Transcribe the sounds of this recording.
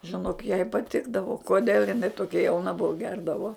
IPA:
ʒʲɪˈnoːk jɛɪ pɐˈtʲɪɡdɐʋoː koːˈdʲeːlˠ ɪˈnɐɪ toːˈkʲɛ jɛʊˈnɐ ˈbʊʋʊ ˈɡʲɛrdɐʋoː

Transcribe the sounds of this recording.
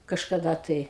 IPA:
kɐʃkɐˈdɐ tɐɪ

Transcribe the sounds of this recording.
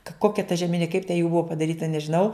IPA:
kɐ ˈkoːkʲɛ tɐ ʒʲɛˈmʲɪnʲɪ kɐɪp tʲɛ juː ˈbʊɐ pɐdɐˈrʲiːtɐ nʲɛʒʲɪˈnɐʊ

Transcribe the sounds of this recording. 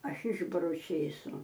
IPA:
ˈɐʃ ˈɪʒbɐrʊ ˈt͡ʃʲeːsʊ

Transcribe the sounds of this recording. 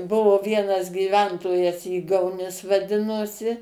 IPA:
ˈbʊʋoː ˈʋʲiɛnɐs ɡʲiːˈʋʲɛntoːjɛs ˈiːɡɐʊˌnʲɪs ʋɐˈdʲɪnoːsʲɪ

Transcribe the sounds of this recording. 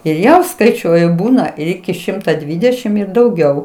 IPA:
ɪr ˈjɛʊ skɐɪˈt͡ʃʲuɔjʊ ˈbuːnɐ ɪr ˈɪkʲɪ ˈʃʲɪmtɐ ˈdʲʋʲiːdʲɛʃʲɪm ˈɪr dɐʊˈɡʲɛʊ

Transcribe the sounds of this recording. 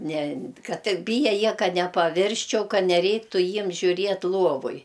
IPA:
nʲɛ ˈkɐt ˈtʲɪk ˈbʲiːjɛ ˈjiɛ ˈkɐt nʲɛpɐˈʋʲɪrʲsʲt͡ʃʲɛʊ ˈkɐ nʲɛˈrʲɛɪktʊ ˈjiɛm ʒʲʊˈrʲiɛt ˈlˠuɔʋoːj

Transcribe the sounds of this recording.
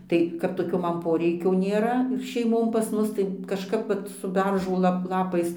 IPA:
ˈtɐɪ kɐp toːˈkʲoː ˈmɐn ˈpoːrʲɛɪkʲoː nʲeːˈrɐ ɪr ʃʲɛɪˈmoːn pɐs ˈmʊs tɐɪ kɐʃˈkɐp ʋɐt sʊ ˈbʲɛrʒoː ˈlˠɐp ˈlˠɑːpɐɪs

